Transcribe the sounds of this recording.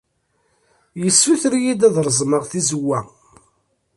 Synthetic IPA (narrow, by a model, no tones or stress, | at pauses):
jəsːuθɾijid̪æðɾˤəzˤməʁθizəwːæ